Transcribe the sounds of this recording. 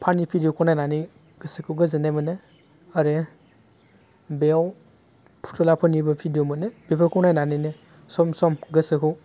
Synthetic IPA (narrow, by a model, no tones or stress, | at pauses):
pʰanipʰidijokʰɔnajnani | ɡ̥ɯsɯkʰɯwɡɯzenajmɯne | aɾe | bew | pʰu̥tʰɔlapʰɯnibɐpʰidijomɯnebepʰɔɾkʰɔwnajnanine | sɔmsɔmɡɯsɯkʰɯw